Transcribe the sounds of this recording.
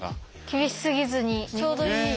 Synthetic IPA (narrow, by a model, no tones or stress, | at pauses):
kʲibiɕi̥sɯɡizɯɲit͡ɕʰod̪o